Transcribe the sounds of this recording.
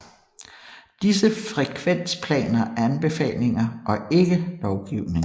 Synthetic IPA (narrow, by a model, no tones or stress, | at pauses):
d̥is̬əfʁɛkʰʋen̰spʰlɛ̰ːnɐæænb̥e̝fɛ̰ːle̝ŋɐʔɒ̽e̝ɡ̥əlɒʊɡ̥iʊne̝ŋ